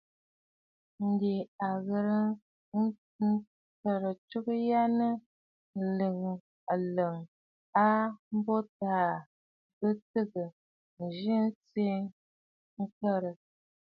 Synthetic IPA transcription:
n̩˨de˨a˨ɣə˨ɾə˦ | ŋ̩˦ | kə˦ɾə˨t͡ʃu˦kja˦nə˦˨ | lə˨ŋ˨ | a˨lə˨ŋ | a˦m̩˦bo˦taː˨ | bə˦tɨ˦ɡə˨ | n̩˨ʒi˦n̩˦t͡se˦ | ŋ̩˦kə˦ɾə˨

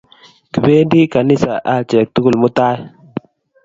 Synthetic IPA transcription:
ki˨be˦di˦ka˨ni˦sa˨ʔa˦˨t͡ʃe˨k̚t̪u˦ɡu˨lmu˦t̪a˦

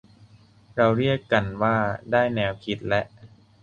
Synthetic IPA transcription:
ɾa˧wɾi˥˩əkːa˧nwaː˥˩daː˥˩jnɛː˧wkʰi˦˥t̪̚lɛ˦˥ʔ

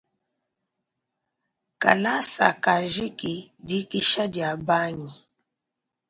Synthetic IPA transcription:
ka̰˨la˦sa̰˨ka˨ʒi˦ki˨di˦ki˦ʃa˦dja˨ba˦ɲi˨

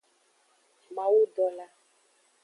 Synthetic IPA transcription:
mã˨wu˦ɖɔ˨la˦

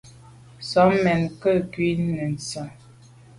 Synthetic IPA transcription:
sɔ˨˦mɛ˨nkə˦˨kwi˦nə˨n̩˨sɔ˨

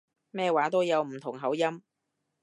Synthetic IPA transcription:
mɛː˥˧waː˨˥t̪o˥wjɐ˨˧wm̩˨˩t̪ʰʊ˨˩ŋɦɐ˨˥wjɐ˥m

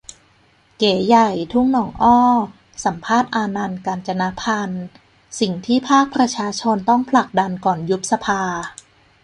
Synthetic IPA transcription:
keː˩˦ja˨˩jt̪ʰu˦˥˩ŋnɔː˩˦ŋʔɔː˥˩ | sa˩˦mpʰaː˥˩t̪̚ʔaː˧na˧nkaː˧nt͡ɕa˧na˦˥pʰa˧n | si˨˩ŋt̪ʰiː˥˩pʰaː˥˩k̚pʰɾa˧t͡ɕʰaː˧t͡ɕʰo˧nt̪ɔ˥˩ŋpʰla˨˩k̚da˧nkɔː˨˩nju˦˥p̪̚sa˧pʰaː˧

